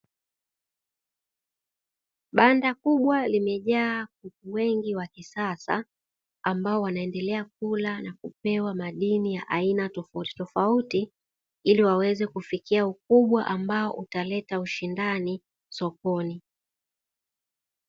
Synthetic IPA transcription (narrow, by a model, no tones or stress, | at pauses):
ɓandakuɓwalimɛʄaːkutuwɛŋɡiwakisasa̰ | ambaɔwanaɛndɛlɛak̚ulanakupɛwamaɗinijaʔainatɔfauti̥tɔfauti | iliwawɛzɛkufikiaukuɓwaʔambaɔʔutalɛtauʃindani | sɔpɔni